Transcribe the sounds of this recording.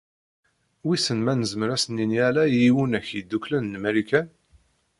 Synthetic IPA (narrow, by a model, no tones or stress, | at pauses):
wisənmænəzməɾæsənːiniælæjiwənæçjəd̪ːuklænːmæɾikæn